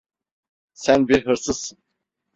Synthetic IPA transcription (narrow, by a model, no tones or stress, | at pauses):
sænbiɾɦɯɾsɯzsɯn